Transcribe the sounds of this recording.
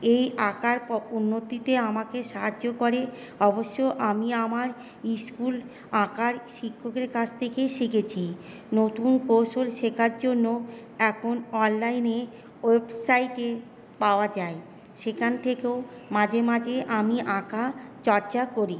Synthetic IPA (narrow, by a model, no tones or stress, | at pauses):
ejakaɾpɔunːot̪it̪eamakeʃaɦad͡ʑːokoɾe | ɔboʃːoʔamiamaɾ | iskul | akaɾʃikʰːokeɾkat͡ɕʰt̪ʰekeʃiket͡ɕʰi | not̪unkowʃolʃekʰaɾd͡ʑonːo | ɛkʰonɔnlajne | websajʈe | paoad͡ʑae | ʃekʰant̪ʰekeomãd͡ʑʱemad͡ʑʱeʔamiʔãkat͡ɕɔɾt͡ɕakoɾi